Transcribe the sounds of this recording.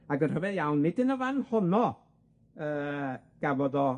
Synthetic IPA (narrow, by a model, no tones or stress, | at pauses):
aɡənr̥əvɛðjawnːɪdənəvanhʊnɔ | əːɡ̥avɔðɔ